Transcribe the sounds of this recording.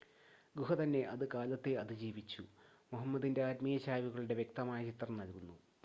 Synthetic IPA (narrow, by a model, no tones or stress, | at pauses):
ɡuɦɐt̪ɐnːe̞ʔɐðɨkaːlɐt̪ːeɐðɨd͡ʑiːʋit͡ɕːu | muɦɐmːɐd̪inde̞aːt̪mijɐɕaːʋiɣɐɭuɽe̞ʋjkt̪ɐmaːjɐt͡ɕit̪rɐmnɐlkunːu